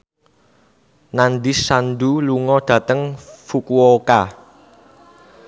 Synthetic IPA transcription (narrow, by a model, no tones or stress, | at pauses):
nanɖ̪isanɖ̪uluŋɔɖ̥ä̤t̪əŋfukuwɔka